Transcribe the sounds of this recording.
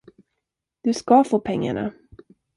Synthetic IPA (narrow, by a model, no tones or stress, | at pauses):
d̪̥ɵskɑfoːpʰɛŋːa̰ɳa̰